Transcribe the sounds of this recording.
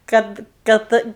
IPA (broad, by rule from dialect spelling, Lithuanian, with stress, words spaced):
ˈkɐt ˈkɐt